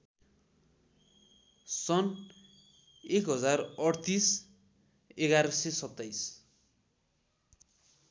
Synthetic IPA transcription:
sʌn | ekɦʌd͡zarʌɽt̪is | eɡaɾʌsesʌt̪ːajs

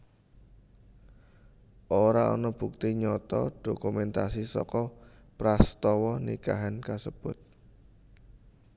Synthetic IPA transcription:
ʔoɾaɔ̰nɔb̥uk̚t̪iɲɔt̪ɔ̰ɖ̥okumɛnt̪asisɔ̰kɔpɾast̪ɔwɔnḭka̰ɦankasəb̥ʊ̤t̪̚

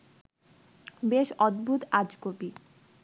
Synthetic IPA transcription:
beʃɔd̪̚bʱut̪ad͡ʑkopi

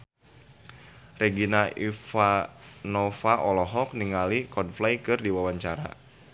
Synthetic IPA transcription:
reɡinaifanɔfaʔɔlɔɦɔk̚niŋalikɔnflajkɨrdiwawaɲt͡ʃaɾa̰

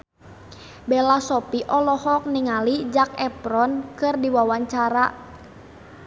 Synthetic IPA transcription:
bɛlasɔpiʔɔlɔhɔk̚niŋalid͡ʒak̚ɛpɾɔnkɨrdiwawaɲt͡ʃaɾa

